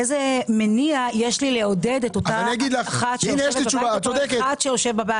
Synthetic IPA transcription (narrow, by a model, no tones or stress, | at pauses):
ezemeniajeʃlileo̞dedetotaaniaɡid̪laχatʃejnjɛʃlibat͡ʃuvasodekeatʃejoʃevbaba